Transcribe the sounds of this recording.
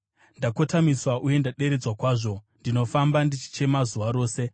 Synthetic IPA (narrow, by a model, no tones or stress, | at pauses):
ndako̞tamiswaʔuje̞ndaɗe̞ɾed͡zwakwaːʐo̞ndino̞fambandit͡ʃi̥t͡ʃe̞mazuʋaɾo̞ːse̞